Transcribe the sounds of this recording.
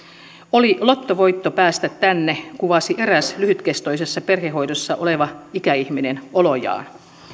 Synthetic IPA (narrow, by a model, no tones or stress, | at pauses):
olilot̪ːoʋo̞jt̪ːopæːst̪æt̪tænːekuʋɑsiʔe̞ɾæslyhyt̪kest̪ojse̞sːɑperɦeɦo̞jdosːɑʔoleʋɑikæiçminenolo̞jɑ̰ːn